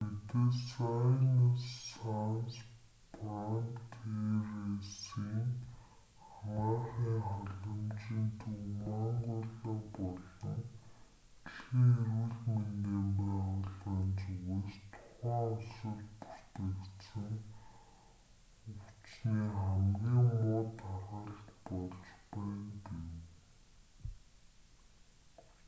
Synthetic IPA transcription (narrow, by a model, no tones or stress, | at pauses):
pit̪esanasːans | prant̪ʰeresiːŋ | χamaːχiːŋχaɮə̆mt͡ɕiːnt̪ʰumaɴɢʊːɮə̆pɔɮɞ̆ŋ | tɮxiːŋeɾwɘ̆ɮmeneːmpæχɔɮaːnt͡suɣeːst̪ʰʊ̥χæːʊsɞ̆ɮpu̥r̥t̪ɘ̆kt̪sɘ̆ŋ | ʊt͡ɕniːχæmɡʲiːŋmʊːt̪aʁə̆ɮt̪pɔɮt͡ɕpæːnkew